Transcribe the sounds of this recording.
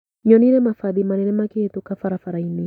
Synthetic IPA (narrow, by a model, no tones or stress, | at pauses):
ɲɔninɛmafaðimanɛnɛmakihɛtukafaɾafaɾaini